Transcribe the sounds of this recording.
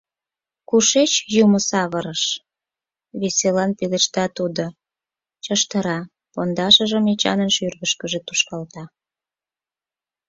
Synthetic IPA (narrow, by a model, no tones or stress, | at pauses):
kuʃet͡ɕjuməsɑβəɾəʃ | βeselɑnpileʃt̪ɑt̪ud̪o | t͡ɕəʃt̪əɾɑ | pond̪ɑʃəʒəmet͡ɕɑ̰nənʃyrɣəʃkəʒet̪uʃkɑlt̪ɑ